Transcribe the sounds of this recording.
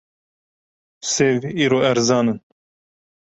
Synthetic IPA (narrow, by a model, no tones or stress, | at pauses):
seːviːɾoːɛɾzɑːnɨn